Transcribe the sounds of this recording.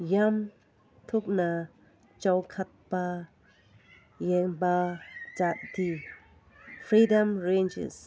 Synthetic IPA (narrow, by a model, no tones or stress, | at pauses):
jam | t̪ʰuk̚na | t͡ʃawkʰat̚pa | jɛŋbad͡ʒat̚ti | pʰɾidamɾend͡ʒḛs